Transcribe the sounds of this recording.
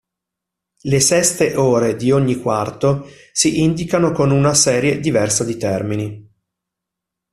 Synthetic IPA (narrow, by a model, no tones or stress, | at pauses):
lesɛst̪eʔoːɾed̪ioɲːikwart̪o | siʔind̪ikanokonunasɛːɾjed̪ivɛrsad̪it̪ɛrmini